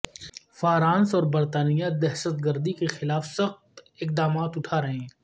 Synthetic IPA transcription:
faːɾãːnsɔːɾbɐɾt̪aːnijad̪ɛɦʃət̪ɡəɾd̪ikexɪlaːfsɐxt̪ɪq̚d̪aːmaːt̪ʊʈʰaːɾɐɦẽː

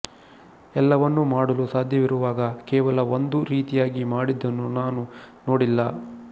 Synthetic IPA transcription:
ɛlːɐʋɐnːumaːɽɐlusaːd̪ʱjɐʋiɾuʋaːɡɐkɛːʋɐlɐond̪uɾiːt̪ijaːɡimaːɽid̪ːɐnːunaːnuno̞ːɽilːɐ

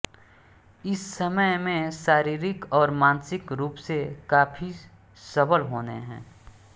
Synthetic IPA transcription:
ɪsːəməjmẽʃaːɾiːɾɪkɔːɾmãːnsɪkɾuːpsekaːpʰi | sɐbəlɦoːnḛɦɛ̰̃ː

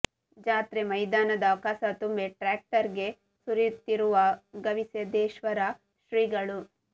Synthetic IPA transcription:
d͡ʒaːt̪ɾemɐjd̪aːnɐd̪ɐːʋɐkaːsɐt̪umbeʈɾaːk̚ʈɐɾɡe̞ | suɾjut̪ːiɾuʋɐɡɐʋisjɐd̪eːʃʋɐɾɐ | ʃɾiːɡɐɭu

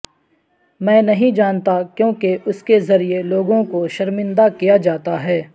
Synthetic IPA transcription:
mɛ̃ːnɐɦĩd͡ʒaːnt̪akjõːkeʊskezɐɾieloːɡõkoʃɐɾmɪ̃nd̪akijad͡ʒaːt̪aɦɛː

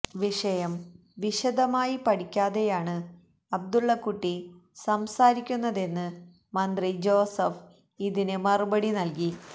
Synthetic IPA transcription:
ʋiʂɐjɐm | ʋiʂɐd̪ɐmaːjipɐɽikʲːaːðe̞jaːɳɨ | ɐb̚d̪uɭːɐkuʈːisɐmsaːɾikʲːunːɐðe̞nːɨ | mɐnd̪rid͡ʑo̞ːsɐf | iðinɨmɐrubɐɽinɐlk̬i

